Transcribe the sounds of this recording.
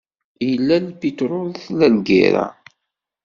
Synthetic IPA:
jəlːælpit̪ɾʊlθlælɡḭɾa̰

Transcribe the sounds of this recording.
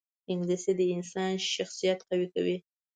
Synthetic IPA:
ɪŋɡlised̪əɪnsɑnʃaxsijat̪qawika̰wi

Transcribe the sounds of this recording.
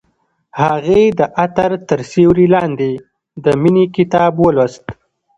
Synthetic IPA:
haɣed̪əʔat̪aɾt̪əɾsewɾilɑnd̪e | d̪əminikɪt̪ɑbwələst̪

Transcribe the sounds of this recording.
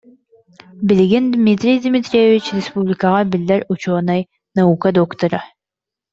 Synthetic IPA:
bɪlɡɪnd̪mʲit̪ɾʲijd̪ʲmʲit̪ɾʲejevit͡ɕɾʲespublʲɪkaʁɑbɪlʲːæɾut͡ʃoːnɑj | naukad̪okt̪oɾa

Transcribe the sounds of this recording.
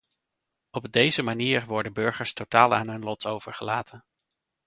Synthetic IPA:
ɔbdejzəmaniːɹʋɔɹdəbɵɹχəɹstotaːlˠa̰ːnɦɵnlɔtowvəɹχəlaːtʰən

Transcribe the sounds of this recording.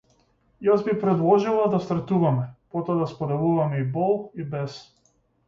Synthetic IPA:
jazbipɾɛd̪lˠɔʒilˠad̪ast̪ɾɛt̪uvamɛpɔt̪ɔad̪aspɔd̪ɛvˠuvamɛibɔlˠibɛs

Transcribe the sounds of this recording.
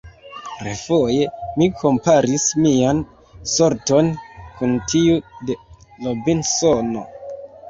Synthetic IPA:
ɾḛfoje̞mikʰo̞mpaɾismian | soɾto̞nkuntʰiude̞lobinsono̞̰

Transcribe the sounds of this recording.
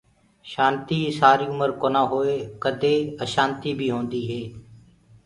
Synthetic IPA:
ʃaːnt̪iːsaːɾiːʊməɾkoːnãːɦoːeːkəd̪ʱeːəʃaːnt̪iːbʱiːɦõːnd̪iːɦeː

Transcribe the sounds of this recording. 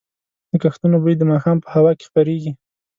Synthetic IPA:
d̪̥əkaxt̪unobɾid̪əmɑxɑmpə̥hawɑke̥xpəɾeɡi

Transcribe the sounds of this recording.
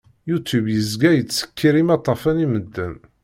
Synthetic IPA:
jut̪ubjəzɡæjət͡sːə̥kːiɾimɑt̪ˤːɑfæniməd̪ːæn

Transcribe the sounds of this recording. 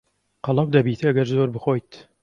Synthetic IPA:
qɑlˠɑwd̪ɐbiːt̪ʰɨɐɡɐɾzoːɾbɨxoːjt̪

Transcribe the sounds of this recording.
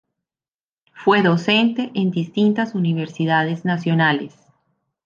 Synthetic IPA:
fwe̞ðo̞se̞nt̪eʔend̪ist̪int̪asuniβ̞eɾsiðaðe̞znasjo̞nales

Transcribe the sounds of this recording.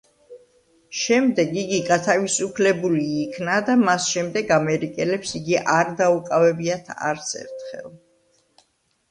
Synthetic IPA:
ʃɛmd̪ɛɡiɡiɡat̪ʰavisupʰlɛbuliːkʰnad̪amasʃɛmd̪ɛɡamɛɾikʼɛlɛpsiɡiʔaɾd̪aukʼavɛbiat̪ʰa̰ɾt̪sʰɛ̰ɾt̪ʰχɛ̰lˠ

